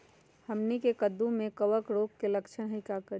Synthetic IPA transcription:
həmnikekəd̪ũmekəʋəkɾokkeləkt͡ʃʰənɦəɪkakəɾ

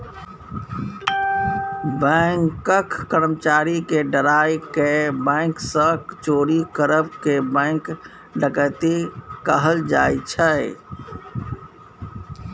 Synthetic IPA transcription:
bɛːŋkːəkːəɾmt͡ʃaːɾikeɖəɾaːikebɛ̃ːŋksəkt͡ʃoːɾikəɾəbkebɛ̃ːŋk | ɖəkət̪ikəɦəld͡ʒa̰ːit͡ʃʰə

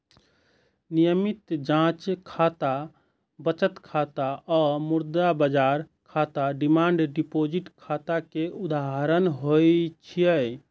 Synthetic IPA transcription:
nijəmit̪d͡ʒãt͡ʃkʰat̪a | bət͡ʃət̪kʰat̪aɔmuɾd̪abəd͡ʒaɾkʰat̪aɖimaɳɖɖipod͡ʒiʈkʰat̪akeud̪aɦəɾənɦojt͡ʃʰijə

